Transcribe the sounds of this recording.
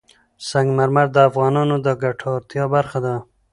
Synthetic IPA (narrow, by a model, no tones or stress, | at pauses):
saŋɡmaɾmaɾd̪əafɣɑnɑnod̪əɡaʈʰɑɾt̪jɑbaɾxad̪a